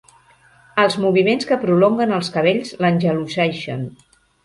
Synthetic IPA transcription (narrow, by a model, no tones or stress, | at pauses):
əlˠzmuβimenskəpɾuloŋɡənəlˠskəβ̞eʎzlənʲʒəlusɛʃə̰n